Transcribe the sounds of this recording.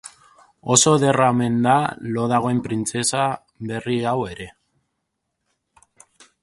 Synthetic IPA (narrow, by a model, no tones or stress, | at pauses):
o̞so̞ðe̞rame̞nd̪alo̞ðaɣ̞o̞empɾint͡se̞sa | βe̞riawe̞ɾe̞